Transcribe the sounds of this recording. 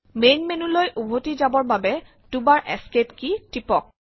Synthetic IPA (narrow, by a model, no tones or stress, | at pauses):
menmenulojʔubʱotizabɔɹbabɛ | tubaɹʔɛ̰sketkitipɔk̚